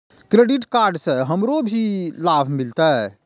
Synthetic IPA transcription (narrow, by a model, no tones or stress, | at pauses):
kɾeɖiʈkaɾɖsə̃ɦəmɾobʱilabʱmilt̪a